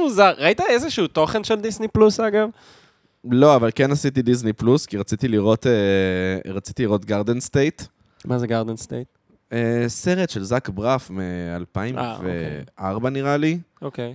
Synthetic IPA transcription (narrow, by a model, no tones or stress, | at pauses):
muzaʁːait̪aezeʃuut̪o̞χenʃeld̪isniplusaɡav | lo̞avalkenasit̪id̪iznipluskiʁat͡sit̪iliʁo̞t̪e | ʁat͡si̥t̪iliʁo̞t̪ɡaʁd̪enst̪ejt̪ | mazeɡaʁd̪enst̪ḛjt̪̚ | ese̞ʁetʃelzakbʁafmea̰lpaima̰veeaʁbaniʁaliokej